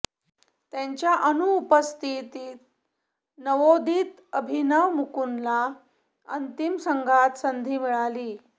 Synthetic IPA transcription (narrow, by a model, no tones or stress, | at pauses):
t̪jaɲt͡ɕjaʔənuːpəst̪ʰit̪iːt̪̚ | nəʋod̪ʱiːt̪əbʱinəʋmukunla | ənt̪imsəŋɡʱat̪sənd̪ʱiːmiɭaliː